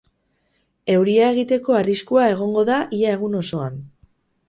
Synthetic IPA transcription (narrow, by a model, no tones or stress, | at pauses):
e̞wɾiae̞ɣ̞it̪e̞ko̞ariskuae̞ɣ̞o̞ŋɡo̞ðaʔiae̞ɣ̞uno̞so̞an